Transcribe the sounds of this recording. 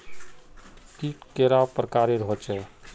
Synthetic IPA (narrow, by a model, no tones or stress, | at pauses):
kiʈkeɾapɾəkaɾeɾɦot͡ʃʰɛ